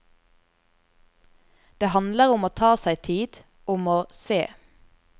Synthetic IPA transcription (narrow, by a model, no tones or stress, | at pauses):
d̪̥eːhɑnd̪ləʁʊmoːt̪ʰɑːsæɪt̪ʰiːd̪̥ | ʊmoːseː